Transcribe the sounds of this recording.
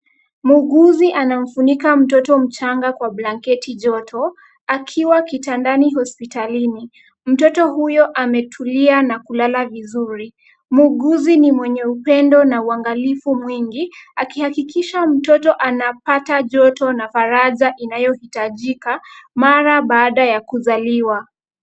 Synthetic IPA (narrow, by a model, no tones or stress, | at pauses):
muɡuziʔanam̩funikam̩tɔtɔm̩t͡ʃaŋɡakwablaŋkɛtiʄɔtʰɔ | akʰiwakitandaniɦɔspitalini | m̩tɔtɔɦujɔʔamɛtʰulianakulalavizuɾi | muɡuzinimwɛɲɛupɛndɔnauaŋɡalifumwiŋɡiakihakikiʃam̩tɔtɔʔanapataʄɔtɔnafaɾazaʔinajɔhitaʄikamaɾaɓaːɗajakuzaliwa